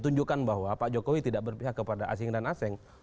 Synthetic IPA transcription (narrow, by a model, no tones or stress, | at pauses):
t̪uɲd͡ʒukanbaɦwapaʔd͡ʒokowit̪idaʔbərpiɦakəpadaʔa̰s̬ɪŋdanasɛŋ